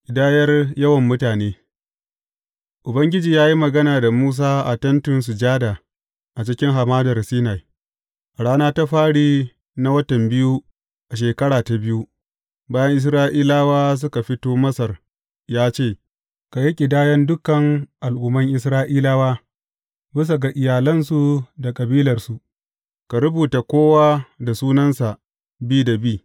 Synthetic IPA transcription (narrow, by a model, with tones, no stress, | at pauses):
ʔʲʼɪ˨daː˦jɐ˦rjɐ˦wɐ˨mːʊ˦taː˨neː˦ | ʔʊ˨bɐ˦ŋɡʲɪ˦d͡ʒiː˨jaː˦ji˦mɐ˨ɡɐ˦naː˨da˨muː˦s̬aː˦ʔa˨tɐ˦ntʊ˨ns̬ʊ˨d͡ʒaː˦daː˨ | ʔa˨t͡ʃɪ˦kʲɪ˦ŋɦa˨maː˦dɐ˨rsiː˦na˨j | ʔɽaː˦naː˦ta˦ɸaː˦ɽiː˦ | na˦wɐ˦tɐ˨mbɪ˦ju˦ | ʔa˨ʃ̬eː˨kɐ˦ɽaː˨ta˨bɪ˦ju˦ | baː˦jɐ˦ŋʔɪ˦s̬ɾaː˦ʔiː˦laː˦waː˦s̬ʊ˦ka˨ɸɪ˦toː˦mɐ˦sɐ˨r | jaː˦t͡ʃeː˦˨ | ka˨ji˦kʲʼɪ˨daː˦jɐ˦ndʊ˦kɐ˨ŋʔa˨lʔʊː˦˨mɐ˦ŋʔɪ˦s̬ɾaː˦ʔiː˦laː˦waː˦ | bɪ˦s̬a˨ɡa˨ʔɪ˨jaː˨lɐ˦nsu˨da˨kʼɐ˨biː˦lɐ˨rsu˨ʔ | ka˨ɾʊ˦buː˨ta˨kʷoː˦waː˦da˨suː˦nɐ˦nsa˨ʔ | biː˦da˨biː˦˨